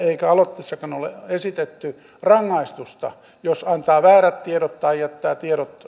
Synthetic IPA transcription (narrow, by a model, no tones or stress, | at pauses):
eikæɑlot̪ːisːɑkɑnolḛesit̪et̪ːy | rɑŋːɑist̪ust̪ɑ̰ | josɑnt̪ɑːʋæːræt̪t̪ieɾot̪t̪ɑijæt̪ːæːt̪ieɾot̪